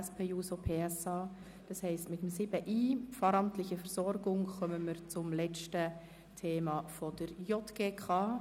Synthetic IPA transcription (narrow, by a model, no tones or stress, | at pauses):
ɛspʰeːjuːsopʰeːɛsɑː | d̥ɑshɛɪstmɪtəmsɪbəʔiːfɑːɾɑmtlɪçəfɛɾsɔɾɡʊŋxœməməɾt͡sʊmlɛt͡ʃtə | tʰeːmɑfod̥əɾjɔtɡ̥eːkʰɑː